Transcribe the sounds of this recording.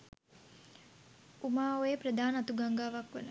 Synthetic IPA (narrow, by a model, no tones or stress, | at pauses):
umaːojepɾəd̪aːnat̪uɡaŋɡaːʋakʋənə